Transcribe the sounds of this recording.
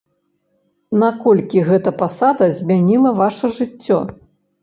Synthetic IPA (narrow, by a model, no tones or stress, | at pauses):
nakɔlʲkʲiɣɛt̪ɐpasad̪ɐzʲmʲanʲilˠɐvaʂɐʐɨt͡sʲːɔ̰